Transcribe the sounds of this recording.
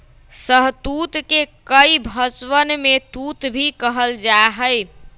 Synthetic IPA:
səɦt̪ut̪kekəjbʱət͡ʃwənmet̪ut̪bʱikəɦəld͡ʒaɦəj

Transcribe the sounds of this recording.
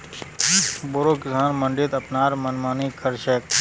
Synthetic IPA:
boɾoːkɪsaːnməɳɖit̪ɐpnaːɾmɐnmaːnikʰəɾʃeːk̚

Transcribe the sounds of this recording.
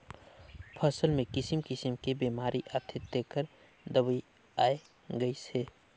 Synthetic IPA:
pʰəsəlmẽkɪsimkɪsimkebiːmaːɾiʔat̪ʰɪt̪ːekəɾ | d̪əbi | aːe | ɡəise

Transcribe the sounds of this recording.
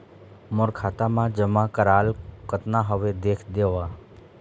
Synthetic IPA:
məɾkʰaːt̪amãd͡ʒəmãkəɾaːlkət̪naɦəʋed̪eːkʰd̪eːʋa

